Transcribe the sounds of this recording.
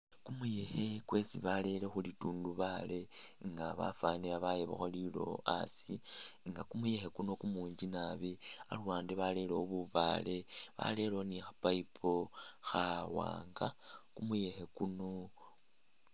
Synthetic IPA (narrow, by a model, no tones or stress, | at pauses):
kumujexe̞kwe̞sḭβale̞le̞xulituːnduβale̞ŋɡaβa̰faniβaβajeβo̰xolilo̞̰a̰siŋɡakumuje̞xe̞kuno̞kumuːɲd͡ʒinaβia̰luwaːndiβale̞leoβuβa̰le̞βa̰le̞lonixapaipʰo̞xawa̰ːŋɡakumuje̞xe̞kuno̞